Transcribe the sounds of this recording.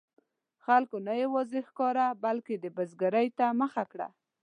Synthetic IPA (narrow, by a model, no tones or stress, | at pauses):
xalkonajawɑzexkɑɾabalked̪əbazɡaɾajt̪aməxakɽa̰